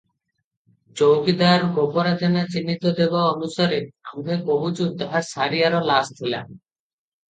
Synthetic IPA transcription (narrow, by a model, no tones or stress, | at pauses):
t͡ɕowkid̪aɾɡopoɾad͡ʑenat͡ɕinːit̪od̪ebaɔnusaɾeɡubʱekoɦud͡ʑud̪aɾsaɾiaɾolasd̪ʰʱula̰m